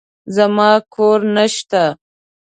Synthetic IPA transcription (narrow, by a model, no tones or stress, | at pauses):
zamɑkʰoɾnaʃt̪a